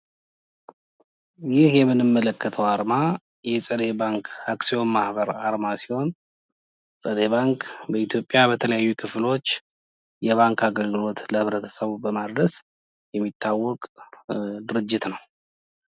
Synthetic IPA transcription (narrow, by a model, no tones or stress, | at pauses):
jɪhjɛmːɨnːɨmːələkːət̪ʰəwaɾma | jɛsʼəd̪e̞baŋkʰaksijo̞nmahbəɾaɾmasi̥ho̞n | sʼəd̪e̞βaŋkbəit̪ʰjo̞pʼːjabət̪ʰələjajːukʰɨflo̞t͡ʃː | jɛβaŋkaɡəlɡɨlo̞t̪ləhɨβɾət̪ʰə̥səβubəmad̪ɾəs | jɛmːit̪ʰːawːɔkʼ | d̪ɨɾɨd͡ʒːɪt̪nəw